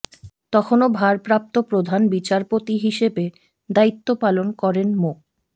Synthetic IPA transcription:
t̪ɔkʰonobʱaɾpɾap̚t̪opɾod̪ʱanbit͡ɕaɾpot̪iɦiʃebe | d̪ait̪ːopalonkɔɾenmok

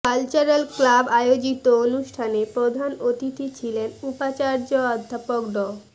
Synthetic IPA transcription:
kalt͡ɕaɾelklabajod͡ʑit̪oonuʃʈʰanepɾod̪ʱanot̪it̪it͡ɕʰilenupat͡ɕaɾd͡ʑoɔd̪ʱːapok̚ɖɔ

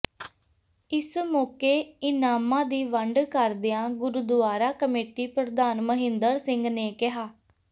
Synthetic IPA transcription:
ɪsmoːkeːɪnaːmãːd̪iːʋəɳɖkəɾd̪ɪãːɡʊɾʊd̪ʊʋaːɾaːkəmeːʈiːpɾəd̪aːnməɦɪ̃nd̪əɾsɪ̃ŋɡneːkɪɦaː

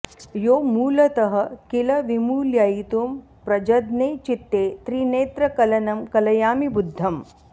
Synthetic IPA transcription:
joːmuːlɐt̪ɐɦɐ̆kilɐʋimuːljajit̪um | pɾɐd͡ʒɐd̪neːt͡ʃit̪ːeːt̪ɾiːneːt̪ɾɐkɐlɐnɐmkɐlɐjaːmibud̪ʱːɐm

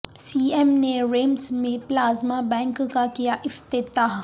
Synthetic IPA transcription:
siːɛmnẽɾeːmsmẽplaːzmabɛ̃ːŋkkakijaʔɪft̪ɪt̪aːɦ

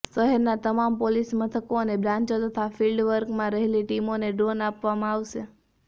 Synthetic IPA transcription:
səɦeɾnat̪əmampolismət̪ʰəkoənebɾãɲt͡ʃot̪ət̪ʰafilɖʋəɾkmãɾəɦeliʈimoneɖɾonapʋamãaʋʃe

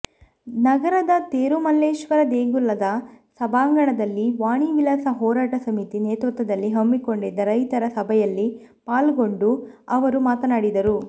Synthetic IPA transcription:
nɐɡɐɾɐd̪ɐt̪eːɾumɐlːeːʃʋɐɾɐd̪eːɡulːɐd̪ɐsɐbʱaːŋɡɐɳɐd̪ɐlːiʋaːɳiʋilɐsɐɦɔːɾaːʈɐsɐmit̪ineːt̪ʋɐt̪ːɐd̪ɐlːiɦɐmːiko̞ɳɖid̪ːɐɾɐjt̪ɐɾɐsɐbʱɐjɐlːi | paːlɡo̞ɳɖu | ɐʋɐɾumaːt̪ɐnaːɽid̪ɐɾu

